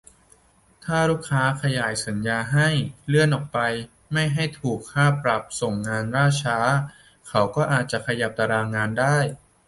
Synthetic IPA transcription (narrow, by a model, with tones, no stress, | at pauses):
t̪ʰaː˥˩ɾuː˥˩kʰːaː˦˥kʰa˧jaː˨˩jsa˩˦njaː˧ɦa˥˩jlɯ˥˩ənʔɔː˨˩k̚pa˧j | ma˥˩jɦa˥˩jt̪ʰuː˨˩kʰːaː˥˩pɾa˨˩p̚so˨˩ŋːaː˧nɾaː˥˩t͡ɕʰaː˦˥ | kʰa˦˥wkɔː˥˩ʔaː˨˩t̪̚t͡ɕa˨˩kʰa˧ja˨˩p̚t̪a˧ɾaː˧ŋaː˧ndaː˥˩j